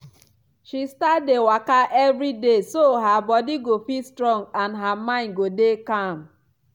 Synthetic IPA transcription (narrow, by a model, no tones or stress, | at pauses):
ʃistadewakaʔɛvɾidesoɦabɔdiɡofistɾɔ̃ŋɡanɦamãɪ̃nɡodekam